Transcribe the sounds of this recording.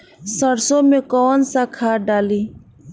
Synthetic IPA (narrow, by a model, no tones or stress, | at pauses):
səɽsomekɔwənsakʰaːɖaːliː